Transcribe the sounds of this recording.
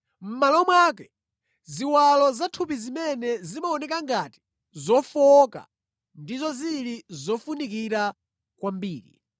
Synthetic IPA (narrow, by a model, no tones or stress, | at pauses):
m̩malɔmwaːkɛ | ziwalɔzatʰup̬izimɛnɛzimaɔnɛkaŋɡati̥ | zɔfɔka̰ | ndizɔziɾizɔfunikiɾa | kwambiːɾḭ